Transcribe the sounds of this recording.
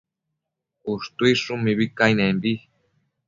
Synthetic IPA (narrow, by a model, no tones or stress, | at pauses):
uʂt̪uiʂumĩβikajnẽmbi